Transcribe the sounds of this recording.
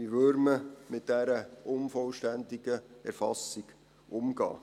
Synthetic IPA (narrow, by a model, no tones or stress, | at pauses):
iʋøɾməmɪt̚d̥æɾəʔʊnfɔlʃtændiɡəɛ̰ɾfɑsiɡ̥ | ʔʊmɡ̥ɑ̰ː